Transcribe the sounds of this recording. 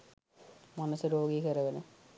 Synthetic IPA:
mɐnɐsɨɾoːɡiːɣɐɾɐʋɐnɨ

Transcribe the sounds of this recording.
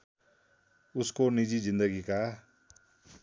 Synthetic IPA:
ʊskonid͡ʒizɪ̃nd̪əɡika

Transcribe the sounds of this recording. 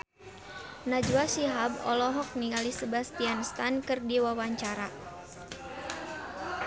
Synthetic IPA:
nad͡ʒuasiɦabɔ̰lɔɦɔk̚niŋɡalisəbast̪ianst̪ankɨrdiwawaɲt͡ʃaɾa

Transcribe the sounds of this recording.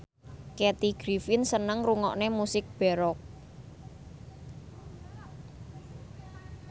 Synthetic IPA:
ket̪iɡ̥ɾifɪnsənəŋruŋɔ̰ʔnemusɪk̚b̥ɛ̤ɾɔk̚

